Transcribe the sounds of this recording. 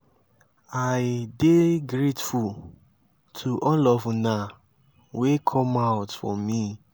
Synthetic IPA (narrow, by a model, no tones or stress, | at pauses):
aɪdeɡɾetful | tʰuʔɔ̃lɔfuna | wekʰɔ̃maʊtfɔ̰mi